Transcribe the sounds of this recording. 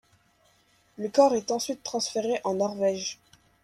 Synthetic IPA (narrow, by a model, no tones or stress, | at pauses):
ləkɔʁɛt̪ɑ̃sɥit̪ːχɑ̃sfeʁeʔɑ̃nɔʁvɛʒ